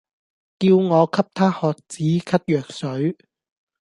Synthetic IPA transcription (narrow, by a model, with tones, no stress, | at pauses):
kiː˧wŋɔː˨˧kʰɐ˥p̚t̪ʰaː˥hɔː˨k̚t͡siː˨˥kʰɐ˥t̚jœː˨˩k̚sɵ˨˥ɥ